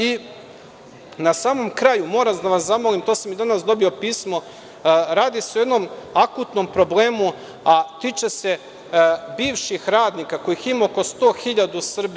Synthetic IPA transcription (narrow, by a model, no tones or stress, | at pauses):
i | nasaːmo̞mkɾajumo̞ːɾamd̪aʋaszamolimt̪osamid̪anasd̪o̞biopiːsmo̞ | ɾaːd̪iseojed̪nomakut̪no̞mpɾo̞ble̞ːmu | at̪it͡ʃe̞se̞ | biːʋʃixɾaːd̪nikako̞jiximaoko̞st̪o̞ːxiʎad̪usr̩bi